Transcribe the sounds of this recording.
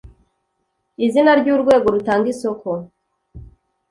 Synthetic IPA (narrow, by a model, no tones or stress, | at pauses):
izinaɾɟuːɾɡwe̞ːɡo̞ɾutaːŋɡiso̞ko̞